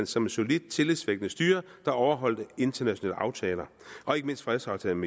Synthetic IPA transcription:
n̰sɒ̽me̥so̝lid̥̚t͡sʰe̝lisʋeɡ̥ənəsd̥yːɐd̥ɑ̈ɒʊɐɦɒ̽l̰d̥əe̝nd̥ɐnæɕo̝nɛ̰ːləɑ̈ʊt͡sʰɛːlɐ | ʔɒ̽e̝ɡ̥əme̝n̰sd̥fʁɛðˠsɑ̈ʊt͡sʰɛ̰ːlme

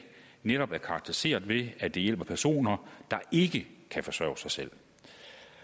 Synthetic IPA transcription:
neɾ̥ɒ̽b̥æɐkʰɑ̈ɡ̥̚t͡sʰeʁise̝̰ːɐ̰dˠʋe̝æd̥e̝jel̰b̥ɐpʰæɐso̝̰ːnɐd̥ɑ̈e̝ɡ̥əkʰæfɒ̽sɶɐ̰ʊsɑ̈ɪsel̰

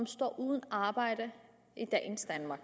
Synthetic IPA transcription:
ɒmsd̥ɒ̰ːʔuːðˠən̩ɑ̈ːb̥ɑ̈ɪ̰ɾ̥ə | id̥ɛːn̩sd̥ænmɑ̈ːɡ̥

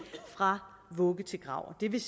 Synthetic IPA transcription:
fʁɑ̈ | ʋɔɡ̥ət͡sʰe̝ɡ̥ʁɑ̈ʊ̰ɐd̥e̝ʋ̝s

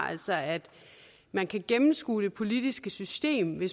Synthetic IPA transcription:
æl̰sɒ̽æd̥ | mænkʰæɡ̥emm̩sɡ̥ṵːd̥e̝pʰo̝lid̥isɡ̥əsysd̥e̝̰ːmʋe̝s

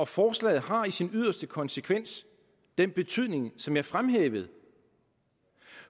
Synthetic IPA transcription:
ɒ̽fɒːslɛ̰ɪð̩ˠhɑ̈isinyð̞̰ˠɐsd̥əkʰɒ̽nsəkʰʋen̰s | d̥enb̥e̝t͡sʰyð̞̰ˠne̝ŋsɒ̽mjɑ̈ɐfʁamɦḛːʋəð̩ˠ

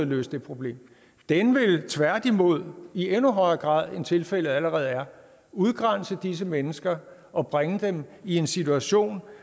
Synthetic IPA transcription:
lø̰ːsd̥e̝pʰʁo̝b̥le̝̰ːm | d̥enʋe̝lt͡sʰʋæɐd̥imo̝ð̞̰ˠienuɦɒ̽ɪɐːɡ̥ʁɑ̰̈ːð̰ˠe̝nt͡sʰe̝lfel̰əð̩ˠæləʁɛːð̞̩ˠæɐ | uð̞ˠɡ̥ʁan̰səd̥is̬əmenəsɡ̥ɐ | ɒ̽b̥ʁaŋəd̥emie̝nsit͡sʰuæɕo̝̰ːn

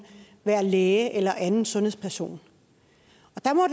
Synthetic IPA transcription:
ʋæːɐleːʔelɐʔænn̩sɔ̽nhḛspʰæɐso̝̰ːn | ɒ̽d̥ɑ̈mɒ̽d

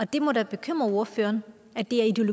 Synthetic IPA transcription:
ɒ̽d̥e̝mɔ̽ɾ̥æb̥e̝kʰøm̰ʁɐo̝ɐfø̰ːɐn | æd̥e̝æɐid̥e̝o̝lo

